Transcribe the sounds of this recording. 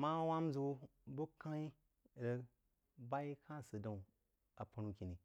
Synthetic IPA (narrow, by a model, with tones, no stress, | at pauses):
ma˦wa˦m˦zu˦bo˦ka˦i˦˨ | ɾə˦ | ba˦i˦kã˦˨sə˨da˨ | a˨pa˨nu˧kʲi˨ni˨